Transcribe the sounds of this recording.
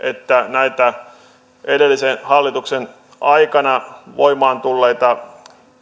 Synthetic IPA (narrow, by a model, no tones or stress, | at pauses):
ʔḛt̪ːænæit̪æ | edelːisenhɑlːit̪uksen | ʔɑikɑnɑʋoimɑːnt̪ulːeit̪ɑ